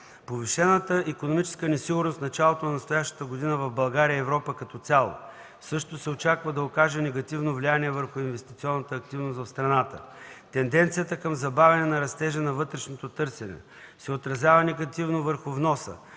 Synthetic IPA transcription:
poviʃɛnət̪əikonomit͡ʃɛ̥skənɛsiɡʊɾnost̪nɐt͡ʃalˠot̪onɐnɐst̪ojaʃt̪ə̥t̪əɡod̪inəvɐvbɐlˠɡaɾiəːvɾɔpəkɐt̪ɔt̪sʲalˠo̰ | sɤʃt̪osɛot͡ʃakvəd̪ɐokaʒɛnɛɡɐt̪ivnovlianiɛvəɾxʊinvɛst̪it̪siɔnːət̪əːk̚t̪ivnost̪vɐfst̪ɾɐnat̪ə̰t̪ɛnd̪ɛnt̪sijət̪əkɐmzɐbavʲɛnɛnɐɾɐst̪ɛʒɛnɐvɤt̪ɾɛʃnot̪ot̪ɤɾsʲɛnɛ̰ | sɛot̪ɾɐzʲjavənɛɡɐt̪ivnovəɾxʊvnɔsə̰

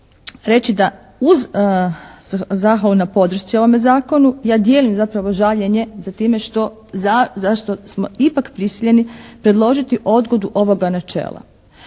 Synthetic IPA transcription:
ɾe̞t͡ɕid̪a | uz | zaxʋalˠunapo̞d̪ɾ̩r̩ʃt̪sio̞ʋome̞zaːko̞nujaːd̪je̞ːlimzapɾaʋo̞ʒaʎe̞ɲe̞zat̪iːme̞ʃt̪o̞ | zazaʃt̪o̞smo̞ipakpɾisiʎe̞nipɾe̞d̪lˠo̞ʒit̪iʔo̞d̪ɡo̞d̪uʔo̞ʋo̞ɡanat͡ʃḛːlˠa̰

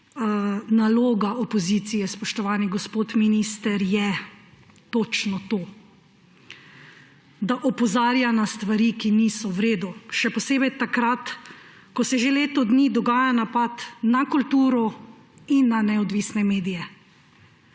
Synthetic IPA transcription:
naloːɡaɔpɔziːt̪sijɛspɔʃt̪ɔʋaːniɡɔspoːt̪miniːst̪əɾjɛ | t̪ot͡ʃnɔt̪oː | d̪aʔɔpɔzaːɾjanast̪ʋaɾikiniːsɔwɾeːd̪uʃɛpɔseːbɛjt̪akɾat̪ | kɔsɛʒeleːt̪ɔd̪nid̪ɔɡaːjanapat̪nakult̪uːɾɔ | inːanɛɔd̪ʋiːsnɛmeːd̪ijɛ

